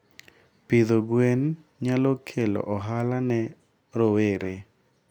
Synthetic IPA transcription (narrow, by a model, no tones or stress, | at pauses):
pɪðoɡwen | ɲalɔkʰelɔ̰ʔɔɦalanɛ | ɾoweɾe